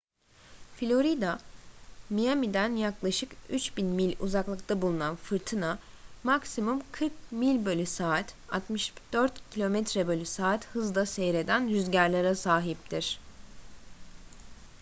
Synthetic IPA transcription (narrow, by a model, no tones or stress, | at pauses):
filʲo̞ɾid̪a | mijamid̪ænjaklˠaʃɯkyt͡ʃbinmilʲṵzaklˠɯkt̪ʰabulˠunanfɯɾt̪ʰɯna | maksimumkʰɯɾk̚milʲbø̞lʲysaːt̪ | at̪mɯʃd̪̥øɾt̪cʰilʲo̞mɛt̪ɾɛbølʲysaːt̪hɯzd̪asejɾe̞d̪ænɾyzɟæɾlʲaɾasaːɦip̚t̪ʰiɾ̥